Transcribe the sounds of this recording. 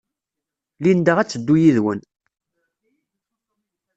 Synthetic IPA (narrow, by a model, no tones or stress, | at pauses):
lind̪əʁæt͡sːəd̪ːujiðwən